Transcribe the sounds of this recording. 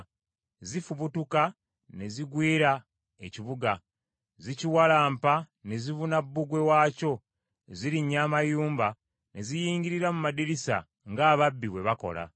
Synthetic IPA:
zifuβutuka | ne̞ziɡwiːɾa | eciβuɡa | ziciwalaːmpa | ne̞zivunabːuɡwe̞waːco̞ | ziɾiɲːaːmajuːmba | ne̞zijiːɲɟiɾiɾamumadiɾisa̰ | ŋɡaːβabːiβwe̞βako̞̰la̰

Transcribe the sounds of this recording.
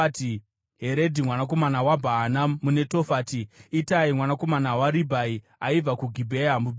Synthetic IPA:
ti | ɦe̞ɾe̞dʱimwanako̞manawabʱaːnamune̞to̞faːtiːtaimwanako̞manawaɾibʱai | aib͡vakuɡʱibʱeamub

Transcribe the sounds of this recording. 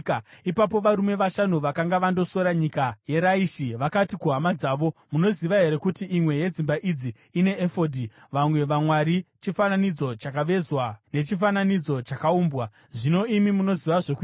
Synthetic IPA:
ipapo̞ʋaɾume̞ʋaʃanuʋakaŋɡaʋando̞so̞ɾaɲikaje̞ɾaiʃiʋakatikuɦamad͡zaːʋo̞muno̞ziʋaɦe̞ɾe̞kutiʔːmwe̞je̞d͡zimbaʔid͡ziːne̞ːfo̞dʱi | ʋamwe̞ʋamwaɾit͡ʃifananid͡zo̞t͡ʃakaʋe̞zwane̞t͡ʃifananid͡zo̞t͡ʃakauːmbwa | ʐino̞imimuno̞ziʋaʐeku

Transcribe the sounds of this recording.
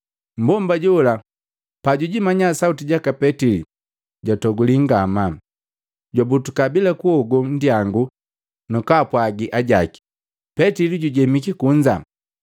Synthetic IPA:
m̩bɔmbaɟɔla | paɟuɟimaɲasautiɟakapɛtilḭ | ɟatɔɡuliŋɡama | ɟabutukabilakuɔɡɔn̩diaŋɡu | nukapwaɡiʔaɟaki̥ | pɛtiliɟuɟɛmikikuɲd͡ʒa̰

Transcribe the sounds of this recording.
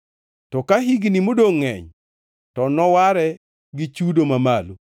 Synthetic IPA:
tɔkaɦiɡnimodoŋːɛ̰ɲ | tɔnɔwaɾɛ | ɡit͡ʃudomamalu

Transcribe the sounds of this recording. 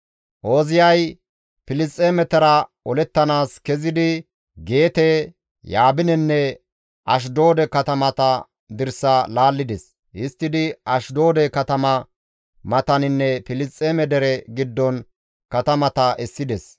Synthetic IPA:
ʔo̞ːzɪjɐj | pɪlɪst͡sʼːeːmɛt̪ɐɾɐ | ɔlɛt̪ːɐnaːskɛzɪd̪ɪ | ɡe̞ːt̪ɛ | jaːbɪnɛnːɛ | ʔɐʃ̬d̪o̞ːd̪ɛkɐt̪ɐmɐt̪ɐ | d̪ɪɾsɐlaːlːɪd̪ɛs | ʔɪst̪ːɪd̪ɪɐʃd̪o̞ːd̪ɛkɐt̪ɐmɐ | mɐt̪ɐnɪnːɛpɪlɪst͡sʼːeːmɛd̪ɛɾɛɡɪd̪ːɔn | kɐt̪ɐmɐt̪ɐʔɛsːɪd̪ɛs

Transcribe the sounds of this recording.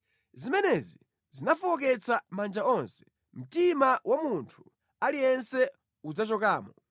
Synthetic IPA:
zimɛnɛzi | zinafɔɔk̬ɛt͡sʰamand͡ʒaɔnsɛ̥ | m̩timawamuntʰu̥ | alijɛnsɛ | ud͡zat͡ʃɔkaːmɔ

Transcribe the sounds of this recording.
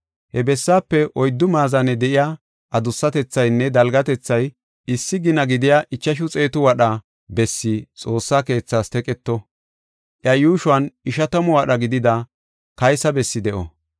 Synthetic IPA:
hɛbɛsːaːpːɛʔɔjd̪ːʊmaːzɐnɛd̪ɛʔɪjaː | ʔɐd̪ʊsːɐt̪ɛt͡sːɐjnːɛd̪ɐlɡɐt̪ɛt͡sːɐj | ɪsːɪɡɪnɐɡɪd̪ɪjaʔɪt͡ʃːɐʃ̬ʊt͡sʼe̞ːt̪ʊwɐɗɐ | bɛsːɪt͡sʼo̞ːsːaːke̞ːt͡sːaːst̪ɛkʼɛt̪ːɔ | ʔjɐjuːʃʊɐnɪʃɐt̪ɐmɔwɐɗɐɡɪd̪ɪd̪ɐ | kɐjsɐbɛsːɪd̪ɛʔɔ̰

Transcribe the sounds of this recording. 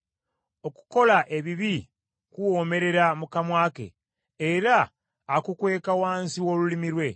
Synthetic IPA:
o̞ku̥ko̞laʔe̞βiβi | kuwo̞me̞ɾe̞ɾamukamwaːke̞̰ː | ɾaː | kukwe̞ːkawaːnsiwo̞ːlulimiɾwe̞

